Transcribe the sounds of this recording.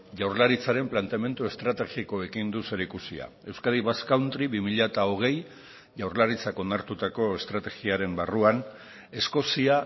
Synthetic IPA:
ʝawɾlaɾit͡saɾe̞mplant̪eame̞nt̪ue̞st̪ɾat̪e̞ɣiko̞e̞kind̪use̞ɾikusia̰ | e̞wskaðiβaskawnt̪ɾiβimiʎat̪ao̞ɣ̞e̞j | ʝawɾlaɾit͡sako̞naɾt̪ut̪ako̞e̞st̪ɾat̪e̞ɣiaɾe̞mbaruan | e̞sko̞sia

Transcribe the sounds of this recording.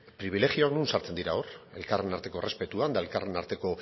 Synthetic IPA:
pɾiβ̞ile̞ɣio̞aknunsaɾt͡se̞nd̪iɾaore̞̰lkare̞naɾt̪e̞ko̞re̞spe̞t̪uand̪ae̞lkare̞naɾt̪e̞ko̞

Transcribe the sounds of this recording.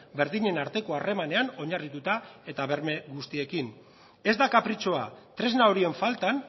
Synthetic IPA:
be̞ɾðiɲe̞naɾt̪e̞ko̞are̞mane̞ano̞ɲarit̪ut̪ae̞t̪aβe̞ɾme̞ɣust̪ie̞kin | e̞zd̪akapɾit͡ʃo̞at̪ɾe̞znaoɾie̞ɱfalt̪an

